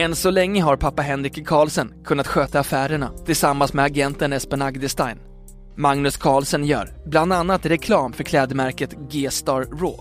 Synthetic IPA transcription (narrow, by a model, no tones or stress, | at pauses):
ɛnsɔlɛŋːəɦaɾpʰapːaɦɛnɾɪkkʰɑːlsənkʰɵnːat̪ɧøːt̪aːfæːɾəɳat̪ʰɪlsamːansmɛaɡɛnt̪ənɛspɛnaɡd̪ɪst̪a̰jn | maŋnɵskʰɑːlsənjœ̰ːɾ | bland̪anːat̪ɾɛkʰlɑːmfœɾkʰlɛːd̪əmæɾkət̪ɡeːst̪ɑːɾɾo̰ː